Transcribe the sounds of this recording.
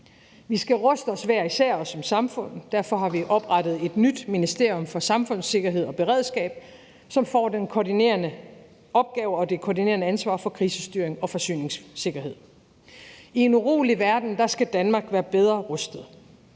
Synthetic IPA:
ʋisɡ̥æʁɔsd̥əɒ̽sʋæɐ̰isæɐ̰ɒsːɒ̽msɑ̈mfɔ̽n̰d̥æɐfɒ̽ɦɑ̈ʋiʔɒ̽b̥ʁɑd̥ð̩ˠe̝d̥nyd̥minisd̥e̝ɐ̰jɔ̽mfɒ̽sɑ̈mfɔ̽n̰se̝ɡ̥ɐɦe̝ð̰ˠɒ̽b̥e̝ʁɛð̰ˠsɡ̥ɛ̰ːb̥ | sɒ̽mfɒ̰ːd̥enkʰɒdine̝̰ːɐnə | ʔɒ̽b̥̚ɡ̥ɛːʊɒ̽d̥e̝kʰoːdine̝ːɐnəænsʋɑ̰̈ːfɒ̽kʰʁiːsəsd̥yɐe̝ŋɒ̽fɒ̽sy̰ːne̝ŋsːe̝ɡ̥ɐɦe̝ð̞̰ˠ | ie̝nuʁo̰ːliʋæɐd̥n̩d̥ɑ̈sɡ̥æd̥ænmɑ̈ːɡ̥ʋæːɐb̥eð̞ˠʁɐʁɔ̽sd̥ð̩ˠ

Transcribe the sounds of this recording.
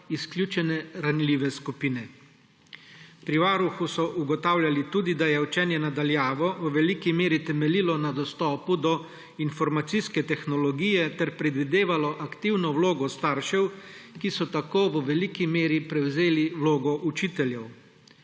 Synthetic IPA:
isklʲjuːt͡ʃɛnɛɾanliːʋɛskupiːnɛ | pɾiʋaːɾuxusɔʔuɡɔt̪aːwlʲjalit̪uːd̪id̪ajɛut͡ʃɛːnjɛnad̪aljaːʋɔʋəʋɛlikimeːɾit̪ɛmɛliːlɔnad̪ɔst̪ɔːpud̪ɔ | infɔɾmat̪siskɛt̪ɛxnɔlɔɡijɛt̪ɛɾpɾɛd̪ʋid̪eːʋalɔʔakt̪iwnɔwloːɡɔst̪aːɾʃɛwkisɔt̪akoːʋəʋɛlikimeːɾipɾɛwzeːliwloːɡɔʔut͡ʃiːt̪ɛljɛw

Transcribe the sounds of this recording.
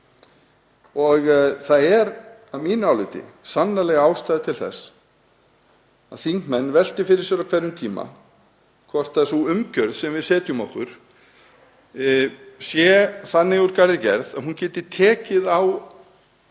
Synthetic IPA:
ɔɣθaðɛɾamiːnʏawlɪt̪ɪ̰sanːalɛɣaːwst̪aːjðɪt̪ʰɪlθɛ̰s | aðθiŋkmɛnːvɛl̥t̪ɪfɪɾɪ̥ɾsjɛɾawkʰvɛɾʏmt̪ʰiːma̰ | kʰvɔr̥t̪aðsuʏmcœɾðsɛmvɪðsɛːt̪jʏmɔhkʏɾ̥ | sjɛθanːɪɣuɾkaɾðɪcɛ̰ɾðaðɦuncɛːt̪ɪɾ̥t̪ʰɛːcɪðaw

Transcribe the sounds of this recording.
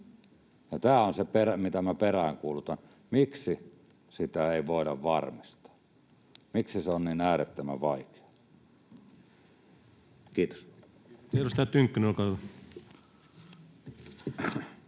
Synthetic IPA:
jɑt̪æːonseperæmit̪æmæperæŋkuːlut̪ɑn | miksi | sit̪æeˑiʋoˑedɑʋʋɑrmist̪ɑ̥ː | miksiseonninæːret̪ːømæ̰ʋɑˑike̥ɑ̥ | kiːt̪o̥s | t̪elosit̪æt̪yŋkːynolkɑ

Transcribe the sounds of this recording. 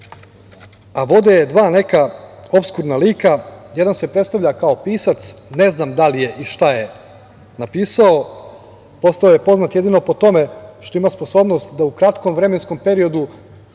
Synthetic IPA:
aʋo̞d̪ejed̪ʋaːne̞kao̞pskuɾnaliːkaje̞d̪anse̞pɾet̪st̪aʋʎakao̞piːsat̪sne̞znamd̪alije̞ʔiʃt̪aje̞ | napiːsao̞ | po̞st̪ao̞je̞po̞znat̪je̞d̪ino̞po̞t̪o̞me̞ʃt̪o̞imaspo̞so̞ːbno̞st̪d̪aukɾat̪komʋɾe̞me̞nsko̞mpe̞ɾio̞d̪u

